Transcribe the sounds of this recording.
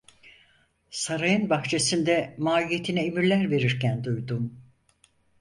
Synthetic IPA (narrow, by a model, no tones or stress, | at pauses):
saɾajɯnbaxt͡ʃʰe̞sind̪ɛmaːlijet̪ʰinɛemiɾlʲæɾve̞ɾiɾcænd̪ujd̪um